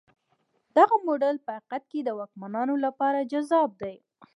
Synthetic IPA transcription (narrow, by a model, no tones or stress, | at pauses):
d̪̥aɣamoɖalpəaqat̪̚ked̪əwɑk̚manɑnolapɑɾad͡ʒazɑb̚d̪aj